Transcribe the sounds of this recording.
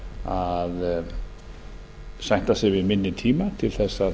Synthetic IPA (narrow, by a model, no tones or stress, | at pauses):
að | sajn̥t̪asɛvɪðmɪnːɪt̪ʰiːmat̪ʰɪlθɛsːa